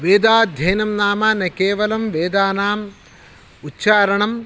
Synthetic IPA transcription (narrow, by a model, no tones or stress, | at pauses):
ʋeːd̪aːd̪ʱjɐjnɐmnaːmaːnɐkeːʋɐlɐmʋeːd̪aːnaːm | utːt͡ʃaːɾɐɳɐm